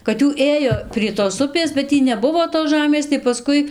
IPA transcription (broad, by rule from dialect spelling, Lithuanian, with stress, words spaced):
kɐt ˈjuː ˈeːjoː pʲrʲiɛ toːs ˈʊpʲeːs bʲɛt ˈtʲiː nʲɛˈbʊʋoː toːs ˈʒɑːmʲeːs tɐɪ pɐˈskʊɪ